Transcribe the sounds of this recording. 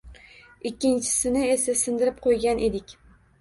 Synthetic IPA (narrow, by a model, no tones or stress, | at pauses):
ɪkʲːɪnt͡ʃʰɪ̥sɪnɪesasɪnd̪ɪɾɪp̚qʰojɡʲanʔe̞d̪ɪkʲ